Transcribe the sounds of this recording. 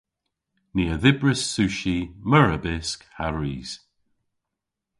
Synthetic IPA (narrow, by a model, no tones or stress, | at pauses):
niːəðɪbɹəsːʉːʃiməɹəbɪskhaɹiːz̥